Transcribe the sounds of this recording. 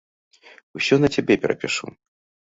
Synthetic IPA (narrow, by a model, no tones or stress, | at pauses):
usʲɔnɐt͡sʲabʲɛpʲɛɾɐ̰pʲiʂṵ